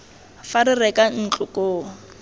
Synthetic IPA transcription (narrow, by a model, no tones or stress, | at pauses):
faɾɪrɛkʼan̩t͡ɬʼʊkʼoː